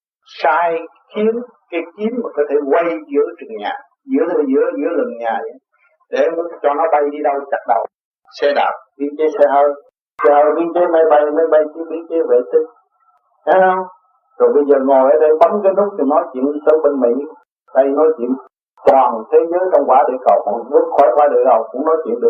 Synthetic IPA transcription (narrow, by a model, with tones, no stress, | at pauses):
saː˧j | xi˨˦ən | kaː˨˦jki˨˦mmaː˨˩kɔ˨˦t̪ʰe˧˩kwa˧jzɨ̰˧˥ət͡ɕɨ˨˩əŋɲa̰ː˨˩ | zɨ̰˧˥ət̪ʰe˨˧˦zɨ̰˧˦əzɨ̰˧˥əlɨ̰˨˩ŋɲaː˨˩a˧˦ | ɗe˧˩˨t͡ɕɔ˧nɔ˨˦ɓa˧jɗi˧ɗə˧wt͡ɕa˨˩k̚ɗə̰˧˩˨w | sɛ˧ɗa̰ː˨˩p̚ɓḭ˧˥˦t͡ɕe˨˦sɛ˧həː˧j | ɛ˧ə˧˩ɓi˧t͡ɕe˨˦ma˧jɓa˧jma˧jɓa˧jt͡ɕi˧˦ɓḭ˧˥˦t͡ɕe˨˦vḛ˧˨t̪i˧ŋ̚ | a˨˦hə˧wŋ͡m | zo˨˩jɓə˧jzəː˨˩ŋo˨˩jʔəː˨˦ɗe˧jɓə˨˦mkə˧jnʊ˦˥k͡p̚t̪ʰi˨˩nɔ˨˦t͡ɕḭ˧˨ənɗi˧sə˧ŋɓe˧nmḭ˧˥ | ɗə˧jnɔ˨˦t͡ɕḭ˧˨ən | tɔ˨˩ŋ˨t̪ʰe˨˦zəː˨˦jt͡ɕɔ˧wŋ͡mkwaː˧˩ɗe˧˩kə̰˨˩wkɔ˨˩ɓɨ˦˥ək̚xɔ˧˦jvwaː˧ɗɨ˨˩əjhə˨˩wk͡p̚kːʊ̰˧˥ŋ͡mnɔ˨˦jt͡ɕḭ˧˨ənɗɨ˨˩ək̚